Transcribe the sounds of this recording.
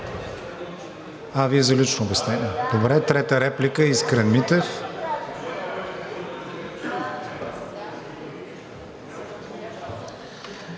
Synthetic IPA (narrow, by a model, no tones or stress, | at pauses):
aviɛzɐlit͡ʃnoːbjɛsnɛniɛd̪̥obɾɛt̪ɾɛt̪əɾɛplikəiskɾɛnmit̪ɛf